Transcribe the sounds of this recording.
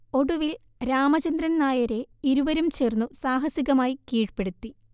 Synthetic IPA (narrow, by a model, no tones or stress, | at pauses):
o̞ɽuʋil | ɾaːmɐt͡ɕɐnd̪ɾɐnnaːjɐɾe̞iɾuʋɐɾumt͡ɕe̞ːrnːusaːɦɐsiɣɐmaːjikiːɻpe̞ɽut̪ːi